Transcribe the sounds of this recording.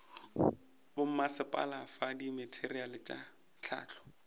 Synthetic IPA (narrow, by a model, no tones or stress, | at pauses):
bʊm̩masɪpʼa̰lafadimɪtʰerialɪt͡ʃʼa | t͡ɬʰa̰ːt͡ɬʰɔ̥